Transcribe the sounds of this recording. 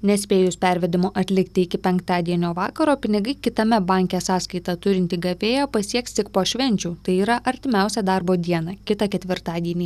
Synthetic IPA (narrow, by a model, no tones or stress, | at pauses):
nʲɛsʲpʲeːjʊspʲɛˑɾʲʋʲɛd̪ʲɪmoːʔɐt̪ʲlʲɪkt̪ʲɪɪkʲɪpʲɛŋkt̪ɑːd̪ʲiɛnʲoːʋɑ̰ːkɐɾoːpʲɪnʲɪɡɐɪkʲɪt̪ɐmʲɛbɑˑŋʲkʲesɑːskɐɪt̪ɐt̪ʊɾʲɪnʲt̪ʲiːɡɐʋʲeːjoːpɐsʲiɛkst̪ʲɪkpoːʃʲʋʲɛnʲt͡ʃʲuːt̪ɐɪiːɾɐʔɐɾʲt̪ʲɪmʲɛˑʊsʲɛːd̪ɑɾboːd̪ʲiɛnɑkʲɪt̪ɐkʲɛt̪ʲʋʲɪɾt̪ɑːd̪ʲiɛnʲiː